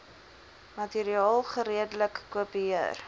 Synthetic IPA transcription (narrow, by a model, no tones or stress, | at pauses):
mɐtiɾiɑːlˠχəɾiədələkːuəpiiər